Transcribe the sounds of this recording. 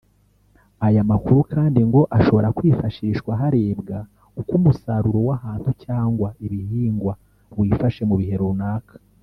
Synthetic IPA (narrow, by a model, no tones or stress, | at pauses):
ajamakuɾukaːndiŋɡo̞ʔaʃo̞βo̞ɾakwiːfaʃiɾiʃkwaɦaɾe̞ːbɡa | ukumusaɾuɾo̞wahaːnhucaːŋɡwaiβihiːŋɡwa | wiːfaʃe̞muβiɦe̞ɾunaːkḁ